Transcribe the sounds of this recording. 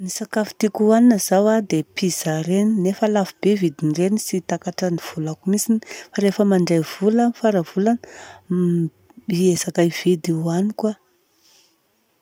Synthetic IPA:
nisakafi̥t̪ikuannəzawad̪epiz̥aɾeninefəlafibevid̪inrenisit̪akaʈ͡ʂaniv̥ulakumisinifaɾefəmaɳɖ͡ʐejv̥ulanfaɾəv̥ulan | iezakaiv̥id̪iwanikwa

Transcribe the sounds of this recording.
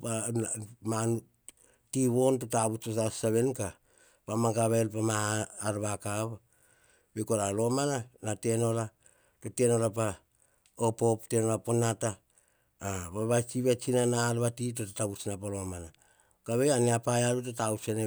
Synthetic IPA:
pa | manu | tiβontotaβut͡ʃosaseβe̞nka | pamakaβelpamaːɾβakaβa | bekoɾalo̞mananateno̞la | toteno̞lapa | opo̞ptenolaponata | βaβat͡ʃiβet͡ʃinanalβatit̬otataβut͡ʃnapalo̞mana | kaβeaniapajalut̬otawsene

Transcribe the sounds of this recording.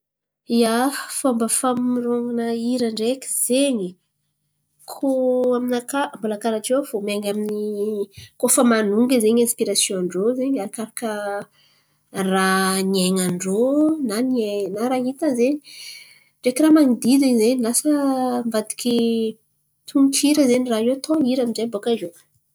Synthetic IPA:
iafambəfamiɾoŋanəiɾəɳɖ͡ʐekʲi̥z̥eɲi | kʰoaminakambulakaɾaʈ͡ʂewfomeŋamini | kofəmanuŋɡizeɲãspiɾasjõaɳɖ͡ʐozeɲaɾakaɾakə | ranieŋaɳɖ͡ʐonanenaɾaɦit̪azeɲi̥ | ɳɖ͡ʐekiramanid̪izeɲizeɲilasəmvad̪i̥kʲi | t̪ʰuŋkiɾəzeɲiraet̪ʰoiɾaminzebokazo

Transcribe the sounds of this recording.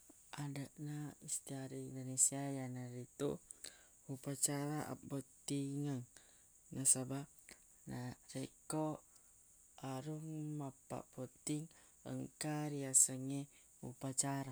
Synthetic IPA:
ʔadəʔnaist̪iaɾiindonesiajanaɾit̪ṵ | hupat͡ʃaɾaʔa̰pɔt̪iŋaŋ | nasaba | naɾeko | aɾuŋmapa̰ʔpot̪iŋ | ə̰ŋkaɾiasəŋe | ṵpat͡ʃaɾa

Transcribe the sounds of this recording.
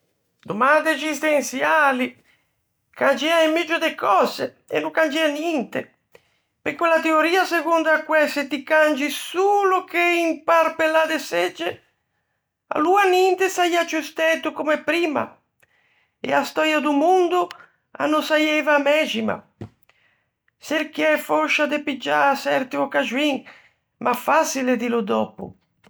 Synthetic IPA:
d̪omand̪ezist̪ensjaːli | kand͡ʒɛaemːid͡ʒod̪ekɔːze | ḛnːukand͡ʒɛanjɛnt̪e | pekwelat̪eoɾiːaseɡund̪akːwɛset̪ikand͡ʒisulokeimpaɾpelad̪esɛd͡ʒːe | a̰luanint̪esajat͡ʃust̪ɛt̪ukomepɾiːma̰ | ɛ̰ast̪ɔːɾjad̪umund̪u | a̰nːosajɛvamɛd͡ʒima̰ | seɾkiɛfɔʃːad̪epid͡ʒːasɛɾt̪iɔkad͡ʒwiŋ | mʔafasiled̪ilud̪ɔpṵ

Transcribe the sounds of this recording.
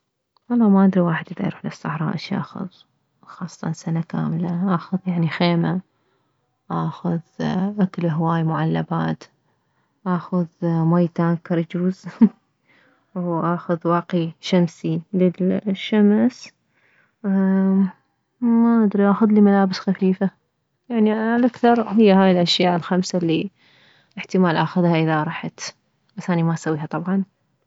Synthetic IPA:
wɑlˤːɑːmaʔad̪ɾiwaːħɪd̪ʔɪd̪a̰ɾuħlasˤːɑħɾˤɑ̰ːʔʃʔa̰ːxʊ̰ð | xɑːsˤːɑ̥t̪ɑnsanaka̰ːmlaʔaːxʊðjaʕnixeːma | ʔaːxʊðʔaklɦwaːjmʊʕalːabaːt̪ | ʔaːxʊðmajt̪aːnkɑɾˤd͡ʒuːz | wʔaːxʊðwɑːqiʃamsilɪlʃːams | maʔad̪ɾiʔaxʊðlimalaːbɪsxafiːfa | jaʕnialʔakθɑɾˤɦɪjːaɦaːjlʔaʃjaːʔɪlxamsalːi | lɪħt̪ɪmaːlʔaxʊðhaʔɪðaʔɾˤɑħat̪ | basʔanimaʔsawːiːhɑt̪ˤɑbʕɑn

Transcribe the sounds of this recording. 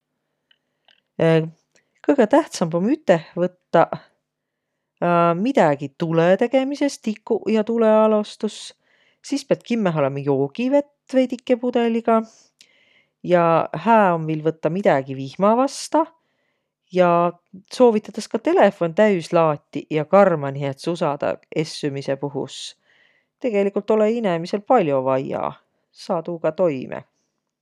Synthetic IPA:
kɤjɡ̥et̪æht̪sɑmbo̞myt̪ːˑehvɤt̪ːɑ | mid̪̥ɑɡ̥it̪ulet̪e̞ɡ̥e̞mise̞st̪ikːujɑt̪uleɑlost̪us | siːspiɑt̪̚kimːeɦo̞lemɑjo̞ːɡ̥ive̞t̪ːˑve̞jd̪ikˑːepud̪̥e̞liɡ̥ɑ | jɑhæːo̞mvilvɤt̪ːɑmid̪̥ɑɡ̥ivihmɑvɑst̪ɑ | jɑ | so̞ːvit̪ːˑɑt̪ːɑskɑt̪e̞le̞fo̞nt̪æyslɑːt̪ʲːijɑkɑrmɑniet̪susɑd̪̥ɑ̰e̞sːumise̞puɦṵs | t̪e̞ɡ̥e̞likːˑult̪ːˑo̞leinemise̞lpɑlʲjo̞vɑjɑ̰ | sɑːd̪uɡ̥ɑt̪o̞jmʔḛ

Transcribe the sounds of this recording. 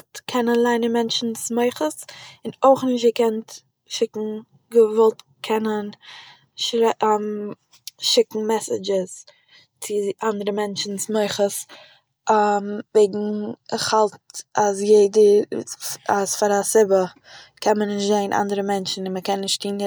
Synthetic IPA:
tkʰɛnənlˠaɪnɪmɛnt͡ʃn̩smoɪχəsɪnoɪχnɪʃ̬tikʰɛnt | ʃɪkŋ̩ | ɡəvɔlˠt | kʰɛnən | ʃɾm | ʃɪkŋ̩mɛsɪd͡ʒɪs | t͡sɪʔandəɾəmɛnt͡ʃn̩smoɪχəs | mveɪɡŋ̩ɪχhalˠtasjeɪdə | asfaɾasɪbə | kʰɛnmənɪɪʃtzaɪnʔa̰ndəɾəmɛnt͡ʃn̩ɪnməkɛnːɪʃttiːn

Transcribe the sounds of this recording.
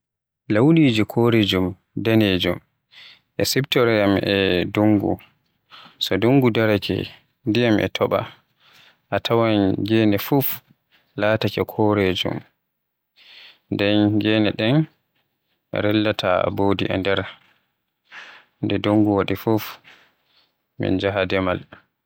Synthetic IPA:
lawliːd͡ʒikʰoɾed͡ʒum | daned͡ʒum | ʔɛsibtɔɾɛjamʔɛdoŋɡṵ | sɔduŋɡudaɾakɛ̰ | ndijamʔɛ̰tʰɔɓa̰ | ʔatʰawanɡɛːnɛfuf | laːtakɛkʰɔɾed͡ʒṵm | ndɛnɡɛːnɛɗɛn | ɛ̰ɾɛlːatʰa̰boːdḭʔɛ̰ndɛɾ | ndɛdoŋɡuwaɗifuf | mḭnd͡ʒaɦadɛmal

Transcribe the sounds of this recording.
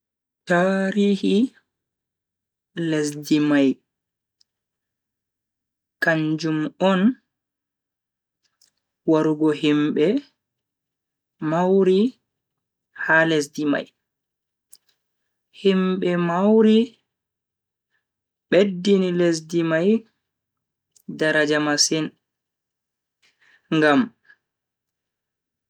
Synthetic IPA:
taːɾiːhi | les̬dimaj | kaɲd͡ʒumɔn | waɾuɡɔhimɓɛ | mawɾi | hales̬dima̰j | himɓɛmawɾi | ɓedːiniles̬dimaj | daɾad͡ʒamasin | ŋɡam

